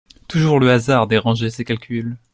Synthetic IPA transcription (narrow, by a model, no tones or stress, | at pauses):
t̪uʒuʁləazaʁd̪eʁɑ̃ʒesekalkʲyl